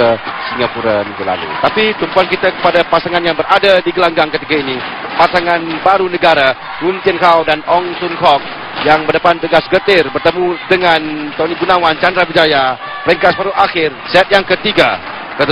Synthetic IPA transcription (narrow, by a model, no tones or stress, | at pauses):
əsiŋapuɾaniŋɡula̰lṵt̪apit̪əmpuankit̪akə̥padapasaŋanjaŋbəɾadadiɡəlaŋɡaŋkət̪ikaini | pasaŋanbaɾunəɡaɾa | ɾunt̪iənɦawdanɔŋsunhɔk̚ | jaŋbərdəpant̪əɡasɡət̪ɪrbərt̪əmudəŋant̪ɔniɡunawant͡ʃandɾabid͡ʒaja | pəɾəŋkasbaɾuʔaxɪrsɛt̪̚jaŋkət̪iɡa | kət̪